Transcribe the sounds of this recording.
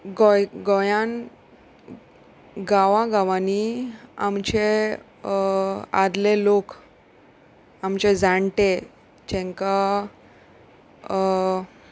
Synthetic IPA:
ɡɔjɡɔjan | ɡaʋãɡaʋania̰mt͡ɕe | ad̪lelok | amt͡ɕed͡zʱaɳʈe | t͡ɕɛ̃ŋka

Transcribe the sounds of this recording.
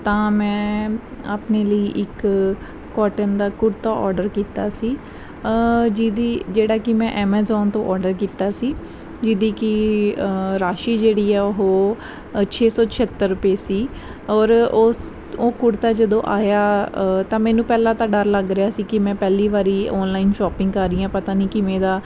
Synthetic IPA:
t̪ãːmɛ̃ː | aːpneːləiːʔɪkː | ɔːʈənd̪aːkʊɽt̪aːʔɔːɾɖəɾkiːt̪aːsiː | d͡ʒiːd̪iːd͡ʒeːɽaːkɪmɛ̃ʔɛːmɛːzɔːnt̪õːʔɔːɾɖəɾkiːt̪aːsiː | d͡ʒɪd̪iːkɪ | ɾaːʃiːd͡ʒeːɽiːɛːʊɦoː | t͡ʃʰeːsɔːt͡ʃʰət̪ːəɾːʊpeːsiː | ɔːɾo | oːkʊɽt̪aːd͡ʒəd̪õːʔaːjaːt̪ãːmɛ̃ːnũːpɛːlãːt̪ãːɖəɾləɡɾejaːsiːkɪmɛ̃ːpɛːliːʋaːɾiːɔːnlaːɪnʃɔːpɪ̃ŋɡaːɾɪjãːpət̪aːniːkɪmɛ̃ːd̪aː

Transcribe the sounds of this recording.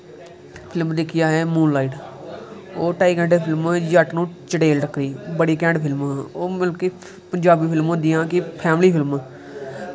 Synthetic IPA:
pʰɪlmd̪ɪkʰɪjaːɦɛːmũːnlaːiːʈ | oːʈaːiːkɛ̃ːɳɖeːpʰɪlmjəʈnũːt͡ʃəɽeːlʈəkːɾiːbəɽiːkɛ̃ːɳɖpʰɪlmoːməlkeː | pəɲd͡ʒaːbiːpʰɪlmɦõnd̪ɪjãːkɪpʰɛːmliːpʰɪlm

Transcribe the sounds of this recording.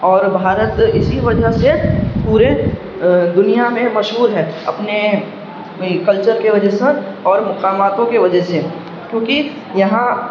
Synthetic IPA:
ɔːɾbʱaːɾət̪ɪsiʋɐd͡ʒəsepuːɾe | d̪ʊnijamẽmɐʃɦuːɾɦɛːɐ̰pne | kɐlt͡ʃəɾkeʋɐd͡ʒəɦseɔːɾmʊqaːmaːt̪õkeʋɐd͡ʒəɦse | kjõːki | jɐɦã

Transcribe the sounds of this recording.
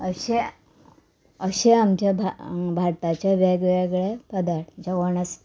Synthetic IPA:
əɕe | əɕeamt͡ɕab̰ʱbʱaɽt̪at͡ɕaʋeɡʋeɡɭepəd̪aʈd͡ʑəɡoɳəs

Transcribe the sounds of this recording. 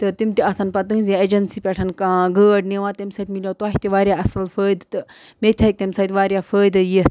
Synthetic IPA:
t̪ɨt̪imʲt̪iɐsanpɐt̪̬ɨ̃ŋzʲied͡ʒɐnsiːpʲeʈʰɐnkaɡəːɖneʋãːt̪emsɐt̪ʲmilʲot̪uaːɦʲit̪iʋaːɾʲjaɐsɐlfəːjd̪t̪ɨmet̪ʰʲɐik̚t̪emʲsɐt̪ʲʋaːɾʲjafəːjd̪ɨji

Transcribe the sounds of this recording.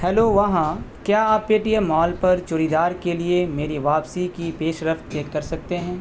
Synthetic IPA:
hɛloʋɐɦãkjaːaːpːeːʈijemɔːlpɐɾt͡ʃʊːɾid̪aːɾkeliemeːɾiʋaːpsikipeːʃɾɐft̪ːeːkːɐɾsɐk̚t̪eɦɛ̃ː

